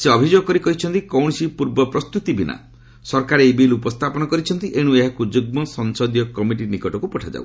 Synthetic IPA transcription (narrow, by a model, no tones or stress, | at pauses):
seɔbʱid͡ʒoɡɔkɔɾikɔɦit͡ʃʰɔnt̪ikɔwɳ̃sipuɾbɔpɾɔst̪ut̪ibina̰ | sɔɾkaɾeejbilupɔst̪ʰapɔnɔkɔɾit͡ʃʰɔnt̪iʔeɽ̃ueɦakud͡ʒuɡ̚mɔsɔŋsɔd̪jɔkɔmiʈinikɔʈɔkupɔʈʰad͡ʒa̰w